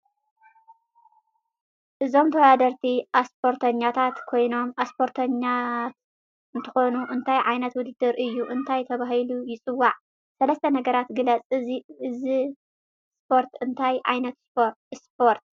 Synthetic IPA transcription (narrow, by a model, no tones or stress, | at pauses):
ʔɨzo̞mt̪ʰɐwd̪ad̪ɐɾt̪ʰiaspʰo̞ɾt̪ʰɐɲːat̪ʰat̪kʰo̞jno̞maspʰo̞ɾt̪ʰɐɲːat̪̚ | ɨnt̪ʰɐ̥xo̞nuʔɨnt̪ʰajʕajnɐt̪wʊd̪ɨd̪ːɨɾʔɨjːuʔɨnt̪ʰajt̪ʰɐβaɦilujɪt͡sʼɨwːaʕ | sɐlɐst̪ʰɐnɐɡɐɾat̪ɡɨlɐt͡sʼɨziɨzi | spʰo̞ɾt̪ɨnt̪ʰajʕa̰jnɐt̪ | spʰoɾt̪̚